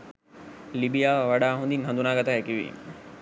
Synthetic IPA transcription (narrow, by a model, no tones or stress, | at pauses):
libijaʋɐɗaɦũːnd̪iːnɦɐ̃nd̪unaːɡət̪aɦekiʋḭː